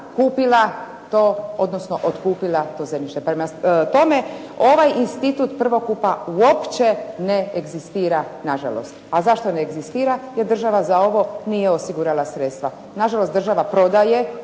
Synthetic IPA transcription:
kuːpila | t̪oːo̞d̪nosno̞ʔot̪kuːpilˠat̪o̞zeniʃt̪e̞pɾemat̪o̞me̞o̞ʋajinst̪it̪uːt̪pr̩ʋo̞kupauo̞pt͡ʃe̞neeɡzist̪iːɾanaʒa̰lo̰st̪azaʃt̪o̞neːɡzist̪iːɾajeɾd̪ɾr̩ʒaʋazao̞ʋo̞nijeosiɡuɾalasɾet̪st̪ʋa | naʒalost̪d̪rʒaʋapɾo̞d̪aje̞

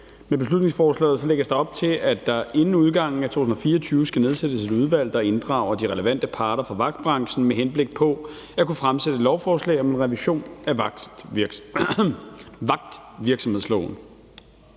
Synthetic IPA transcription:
meb̥e̝slud̥ne̝ŋsfɒːslɛ̰ːð̩ˠsɒ̽leɡ̥ɐsd̥ɑ̈ɒ̽b̥̚t͡sʰe̝lʔæd̥ɑ̈e̝nn̩uð̞ˠɡ̥ɑ̈ŋ̰n̩æt͡sʰo̝̰ːt͡sun̩ɐfiːɐt͡sʰyːʊəsɡ̥æne̝ð̞ˠsed̥əse̝duð̞ˠʋæl̰d̥ɑ̈e̝nd̥ʁɑ̈ːʊ̰ɐdiʁɛləʋæn̰d̥əpʰɑ̈ːɾ̥ɐfʁɑ̈ʋɑ̈ɡ̥̚d̥̚b̥ʁɑ̈ŋɕn̩meɦenb̥le̝ɡ̥̚pʰɒ̽ | ækʰufʁamsed̥əlɒʊfɒːslɛ̰ːɪɒ̽menʁɛʋiɕo̝̰ːnæ̥ | ʋɑ̈ɡ̥̚d̥ʋiɐɡ̥sɒmheslɔʊn

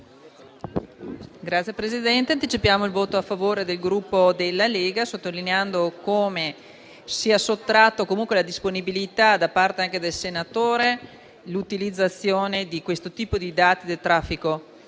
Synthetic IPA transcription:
ɡɾat̪sjepɾezid̪ɛnt̪eant̪it͡ʃipjaːmoilvoːt̪oafːavoːɾed̪elɡɾupːod̪elːaleːɡasot̪ːolineand̪okoːme | siasot̪ːɾat̪ːokomuŋkwelad̪isponibilit̪ad̪apart̪eaŋked̪elsenat̪oːɾe | lut̪ilid̪zːat̪sːjoːned̪ikwest̪ot̪iːpod̪id̪aːt̪id̪elt̪ɾafːiko

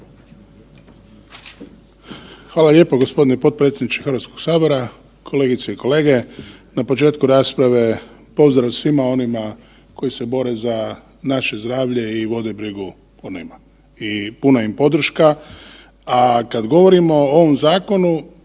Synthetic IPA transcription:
xʋaːlalje̞ːpoɡo̞spo̞d̪inɛpot̪̚pɾet̪sʲjʲed̪nit͡ʃexəɾʋat̪sko̞ɡ̥saːʋe̞ɾa | kʰo̞le̞ːɡit̪seiko̞le̞ːɡe̞napo̞t͡ʃe̞ːt̪kuɾaːspɾaʋe̞ | po̞zd̪ɾaʋsʋimao̞nima | ko̞jisebo̞ɾe̞za | naʃe̞zd̪ɾaːʋʎe̞iʋo̞d̪e̞bɾiɡu | onima | ipunaimpo̞d̪r̩ʃka | akad̪ɡo̞ʋo̞ɾimo̞oʋomzaːko̞nu

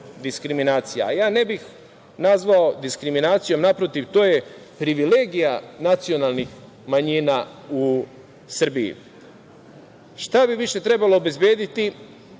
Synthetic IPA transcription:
d̪iskɾiminaːt̪sija̰ajaːne̞bix | nazʋaod̪iskɾiminaːt̪sijo̞mnapɾo̞t̪iʋt̪o̞ːje̞pɾiʋile̞ɡijanat̪sio̞nalˠnix | maɲina | u | sr̩biḭ | ʃt̪abiʋiʃe̞t̪ɾe̞balo̞obe̞zbjeːd̪it̪i

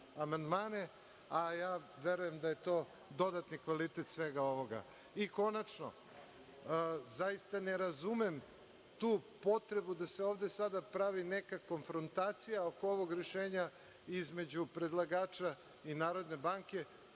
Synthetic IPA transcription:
amand̪maːne̞ | ajaːʋeɾuje̞md̪aje̞t̪o̞ː | d̪o̞d̪at̪nikʋalit̪et̪sʋeɡao̞ʋo̞ɡa̰ | iko̞nat͡ʃno̞̰ | zajist̪aneɾazumem | t̪uːpo̞t̪ɾe̞bud̪aseo̞ːvd̪esad̪apɾaʋine̞kako̞nfɾont̪aːt̪sijaokooʋoɡɾeʃeːɲa | izme̞d͡ʑupɾe̞d̪lˠaɡaːt͡ʃa | inaːɾo̞d̪ne̞baŋke̞

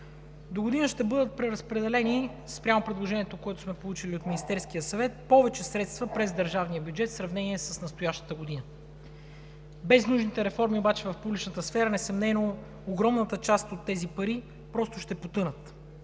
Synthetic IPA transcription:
d̪oɡod̪inəʃt̪ɛbɤd̪ət̪̚pɾɛɾəspɾɛd̪ɛlɛni | spɾʲamopɾɛd̪lˠoʒɛniɛt̪okoɛt̪ʊ̥smɛpolˠut͡ʃiliot̪minist̪ɛɾskijəsɐvɛt̪̚pɔvɛt͡ʃɛsɾɛt̪st̪vəpɾɛzd̪əɾʒavnijəbjud͡ʒɛt̪sɾɐvnɛniɛsəsnɐst̪ʊjaʃt̪ə̥t̪əɡod̪inə | bɛznuʒnit̪ɛɾɛfɔɾmiobat͡ʃɛvɐfpublʲit͡ʃnət̪əsfɛɾənɛsɐmnɛno | oɡɾɔmnət̪ət͡ʃast̪ot̪ːɛzipɐɾi | pɾɔst̪ʊʃt̪ɛpot̪ɤnət̪

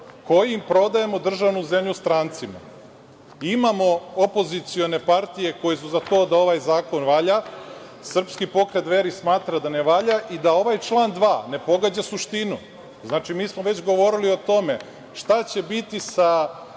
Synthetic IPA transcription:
ko̞jimpɾo̞d̪ajemo̞d̪r̩ʒaʋnuze̞mʎust̪ɾaːnt̪sima̰ | imamo̞opo̞zit̪sio̞ne̞paɾt̪ije̞ko̞jes̬uzat̪o̞ːd̪ao̞ʋajzaːko̞nʋaʎa | sr̩pskipo̞kɾe̞t̪ʋe̞ɾismaːt̪ɾad̪aneʋaʎaʔid̪ao̞ʋajt͡ʃlˠaːnd̪ʋaːne̞po̞ɡad͡ʑasuʃt̪inu | znaːt͡ʃimiːsmoʋet͡ɕɡo̞ʋo̞ɾilio̞t̪o̞me̞ | ʃt̪at͡ɕe̞bit̪isa

